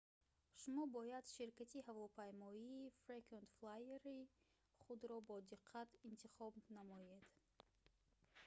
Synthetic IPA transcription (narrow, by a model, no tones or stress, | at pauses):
ʃumɔbɔjad̪ʃiɾkat̪ʰihavɔpʰajmɔiːfɾekent̪flajeɾi | χud̪ɾɔbɔd̪iqʰːat̪int̪ʰiχɔbnamɔjed̪̥